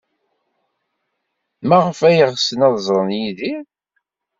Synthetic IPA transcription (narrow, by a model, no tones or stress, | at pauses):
mæʁəfæjəʁsənɑðˤzˤɾˤənjiði